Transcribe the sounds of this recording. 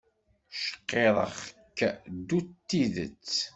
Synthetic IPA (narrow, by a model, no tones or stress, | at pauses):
ʃə̥qːeðˤə̰χkːd̪ut̪ːiðə̰t͡sː